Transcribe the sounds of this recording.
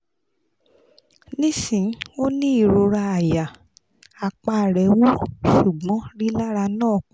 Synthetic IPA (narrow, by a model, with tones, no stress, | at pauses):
nĩ˦sĩ˨˦o˦nĩ˦i˦˨ɾo˧ɾa˧a˨ja˨ | a˨k͡pa˧˨ɾɛ˨˦wo˦ʃu˨ɡ͡bɔ̃˨˦ɾi˦la˦ɾa˧nãː˦˨k͡p